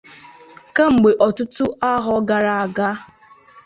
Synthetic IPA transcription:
ka˦ŋ͡m̩˨ɡ͡be˨ʔɔ˨tʊ˦tʊ˦a˦ɦɔ˦ɡa˨ɾa˨a˨ɡa˦

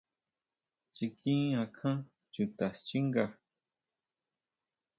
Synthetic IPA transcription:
t͡ʃi˧kĩ˦ã˨kʰã˦ | t͡ʃu˨t̪a˨t͡ʃi˦ŋɡa˨

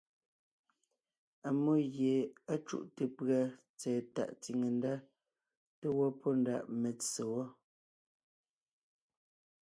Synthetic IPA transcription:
a˨mo˦ɣje˨a˦t͡ʃṵ˦˨ʔte˨pɰa˨ | t͡sɛː˨ta̰˨ʔti˨ŋe˨n˦da˦ | te˦wɔ˦pʰɔ˦nda̰˨ʔme˨t͡se˨wɔ˦

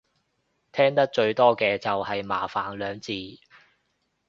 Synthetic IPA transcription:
t̪ʰɛː˥ŋt̪ɐ˥k̚t͡ʃɵ˧ɥt̪ɔː˥kɛː˧t͡sɐ˨whɐ˨jmaː˨˩faː˨˩nlœː˨˧ŋt͡siː˧

